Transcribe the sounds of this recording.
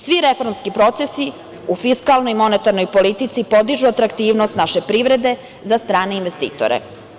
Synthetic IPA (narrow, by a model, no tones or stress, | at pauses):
sʋiɾe̞fo̞ɾmskipɾo̞t̪sesi | ufiskalˠno̞jimo̞net̪aɾno̞jpo̞lit̪it̪sipo̞d̪iʒuat̪ɾakt̪iːʋnost̪naʃe̞pɾiʋɾe̞d̪e̞ | zast̪ɾaːneinʋest̪ḭːt̪o̰ɾḛ